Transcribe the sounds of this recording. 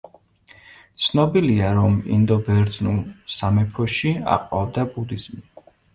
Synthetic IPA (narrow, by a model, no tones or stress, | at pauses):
t̪sʰnɔbiliaɾɔmḭnd̪ɔbɛɾd̪znulsamɛpʰɔʃia̰qʼɔvd̪abud̪iz̥mi